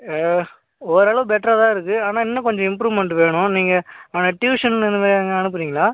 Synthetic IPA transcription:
ɔɾɐːɭɐʋɯ̃bɛʈːɾɐt̪ãːɪɾɯkːɯaːnaːɪnːɐkɔɲd͡ʒɐ̃ɪmpɾuːʋmɛɳʈʋeːɳʊ̃niːŋɡɐaːnɐʈjuːʂɐnnɛnd̪ɯmaːɾiŋɡɐɐnɯp̬ːɯɾiːŋɡɐɭaː

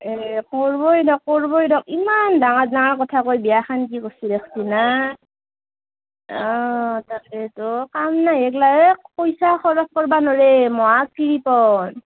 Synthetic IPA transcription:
ɛkɔɹbɔjdɔk̚ːɔɹbɔjdɔk̚imandaŋatdaŋaɹkɔtʰakojbiaxankikosidɛkʰtina | ɔtakɛtɔkamnaɛklajɛkpojsaxɔɹɔkkɔɹbanoɹemɔakkiɹipɔn

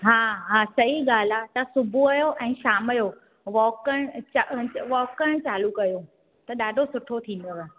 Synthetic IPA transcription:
ɦaːɦaːsɐɦiɠaːl̤aːt̪ɐsʊbʱuɐjoʔɛ̃ːʃaːməjo | ʋɔːkəɽ̃t͡ɕaʋɔːkəɽ̃t͡ɕaːlukɐjo | t̪ɐɗaːɖʱosʊʈʰot̪ʰĩːn̆d̪oʋ

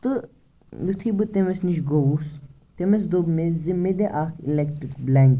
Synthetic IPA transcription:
t̪ɨ | jut̪ʰibɨt̪emesniʃɡowus | t̪emes̬d̪obmezimːed̪eʔaːkʰḭlɛkʈɾikblɛŋk

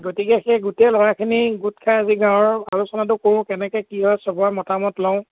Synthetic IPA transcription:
ɡotikɛxeɡutɛlɔɹakʰiniɡut̚kʰaaziɡãw̃ɔɹalusɔnat̬ʊkoɹ̃kɛnɛkɛkiɦɔjsɔbɔamɔtamɔtlaʊ̃

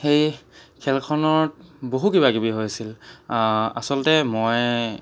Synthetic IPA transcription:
xejkʰɛlkʰɔnɔɹt̚boɦukibaɡibiɦojasil | a̰sɔltɛmoj

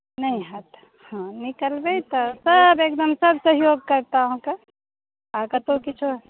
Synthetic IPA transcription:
nɐɦĩɦɐt̪ | hãːnɪkəlbeit̪ɐsɐbeːk̚d̪əmsɐbsɐɦjoːɡ̚kɐɾt̪aɦõka | akat̪okɪt͡ʃʰo

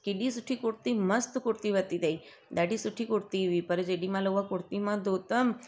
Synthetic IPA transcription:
kidisuʈʰiːkuɽt̪iməst̪kuɾt̪iʋət̪id̪ei | d̪aɽisuʈʰiːkuɽt̪iʋipəɾd͡ʒeɽimaləʋakuɽt̪imãd̪ot̪əm

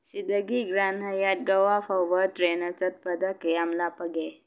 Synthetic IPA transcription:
sid̪əɡiɡɾan̤əjat̪̚ɡəwafəʋəʈɾenət͡sət̪̚pəd̪əkjamlapəɡe

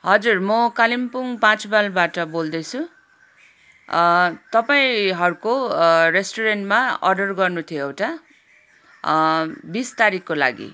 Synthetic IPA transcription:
ɦʌd͡zurmʌkalimpuŋpãt͡sbalbaʈʌbold̪ʌt͡sʰu | t̪ʌpaĩɦʌɾukoresʈoɾenʈmaʌrɖʌrɡʌrnut̪ʰijoewʈa | bist̪aɾikkːola̰ɡḭ

